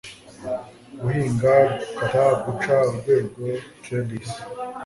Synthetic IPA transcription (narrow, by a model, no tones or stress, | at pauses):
ɡuhiːŋɡakaɾaɡut͡ʃaɾɡweɾɡwetenis